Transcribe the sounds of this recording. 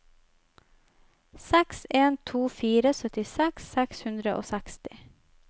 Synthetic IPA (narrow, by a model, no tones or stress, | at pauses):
sɛkseːnt̪ʰuːfiːɾəsœt̪ɪsɛksːɛkshʉnd̪ɾəʔo̰ːsɛkst̪ɪ̥